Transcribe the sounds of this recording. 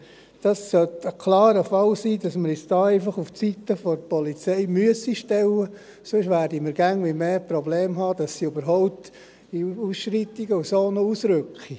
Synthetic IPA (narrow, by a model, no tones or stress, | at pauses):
d̥ɑsːœt̪əkʰlɑːɾəfɑlsiːdɑsməɾɪsd̥ɑːɛɪfɑχuft͡sit̪əfɔɾpɔlit͡seɪmyəsiʃtɛlːə | sʊʃʋæːɾdiməɾɡ̥æŋʋimeːprobleːmɦɑːd̥ɑsːiøbəɾɦɔʊpt̪ | iusʃɾitiɡəusoːnousɾʏkχi